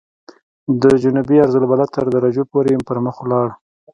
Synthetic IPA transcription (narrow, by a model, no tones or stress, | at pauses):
d̪əd͡ʒʊnubiaɾzʊlbalat̪ːəɾd̪aɾɑd͡ʒopoɾempəɾməxlɑɽ